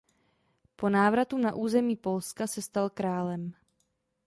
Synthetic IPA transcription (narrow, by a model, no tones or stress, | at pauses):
po̞naːvɾat̪unaʔuːzɛmiːpo̞lskasɛst̪alkɾaːlɛm